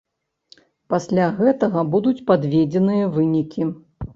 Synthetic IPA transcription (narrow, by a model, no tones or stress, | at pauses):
pasʲlʲaɣɛt̪ɐɣɐbud̪ut͡sʲpad̪vʲed͡zʲɛnɨjɐvɨnʲikʲi